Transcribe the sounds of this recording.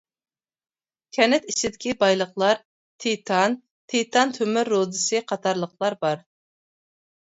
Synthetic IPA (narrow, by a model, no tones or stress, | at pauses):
kʲʰɛnɛt̪iʃɪd̪ɪkʲibɑjlˠəχlˠɑɾ | t̪ʰet̪ʰɑn | t̪ʰet̪ʰɑnt̪ʰømɪɾːod̪ɨsɨqʰɑt̪ʰɑɾlˠəqlˠɑɾbɑɾ